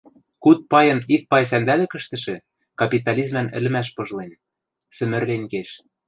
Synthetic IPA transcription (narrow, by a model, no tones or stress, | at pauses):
kut̪̚pɑjɤ̆nik̚pɑjs̬ænd̪ælɘ̆kɘ̆ʃt̪ɘ̆ʃɘ̆ | kɑpʲit̪ɑlʲizmænɘ̆lɘ̆mæʃ̬pɤ̆ʒ̆len | sɘ̆mɘ̆rlenʲkeʃ